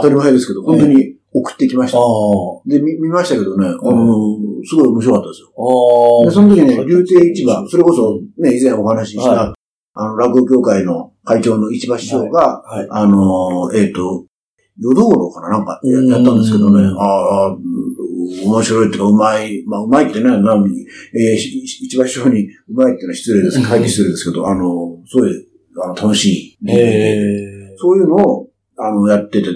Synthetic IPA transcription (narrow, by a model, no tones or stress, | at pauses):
t̪aɾimaɦed̪esɨ̥ke̞d̪oõnt̪oɲ̟i | okɯ̥t̪ːeikʲimaɕi̥t̪d̪e̞mʲimʲimaɕi̥t̪aked̪o̞ne̞anosɨɡo̞io̞moɕiɾo̞kat̪ːad̪esɨjod̪e̞so̞not̪okʲiɲneɾʲɨːt̪eːit͡ɕibaso̞ɾe̞ko̞so̞ne̞izẽɰ̃o̞hanaɕiɕi̥t̪a | ano̞ɾakɯ̟okʲo̞ːkaino̞kait͡ɕo̞ːno̞it͡ɕibaɕi̥ɕo̞ːɡaːnoeːt̪ːo̞ | jo̞d̪o̞ːɾo̞kananãŋka̰jajat̪ːãnd̪e̞sɨ̥ke̞d̪o̞nea | omo̞ɕiɾo̞it̪ːeɯkaɯ̟maimaɯ̟maekʲi̥t̪ːenenã | eit͡ɕibaɕi̥ɕo̞ːɲ̟iɯ̟maikʲit̪ːenaaɕi̥t͡sɨɾed̪eskkʰait̪ːeɕi̥t͡sɨɾed̪eske̞d̪o̞̰ʔano̞soːi | anot̪ʰano̞ɕiːeso̞ːjɯ̟ːno̞ː | ano̞jat̪ːe̞t̪e̞